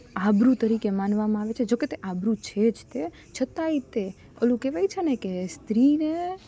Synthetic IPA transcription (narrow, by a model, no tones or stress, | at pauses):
abɾũt̪əɾikemanʋamãaʋet͡ʃʰed͡ʒoket̪eʔabɾũt͡ʃʰed͡ʒt̪e | t͡ʃʰət̪ait̪e | ə̰lũkeʋajt͡ʃʰenekest̪ɾine